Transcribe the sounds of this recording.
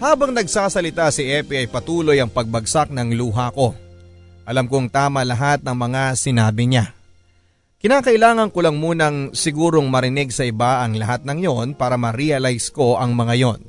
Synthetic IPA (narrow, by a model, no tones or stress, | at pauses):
haːbɐŋnɐɡsaːsɐlɪt̪asɪʔɛːpiɐjpɐt̪uːlo̞jɐŋpɐɡ̚bɐɡsak̚nɐŋluːɦɐko̞ | ʔɐlamkoŋt̪aːmɐlɐɦat̪̚nɐŋmɐŋasɪnaːbɪɲa | kɪnaːkɐʔɪlaːŋɐnkolɐŋmuːnɐŋsɪɡuːɾo̞ŋmɐɾɪnɪɡ̚sɐʔɪbaʔɐŋlɐhat̪̚nɐŋjo̞npaːɾɐmɐɾiɐlajsko̞ʔɐŋmɐŋajo̞n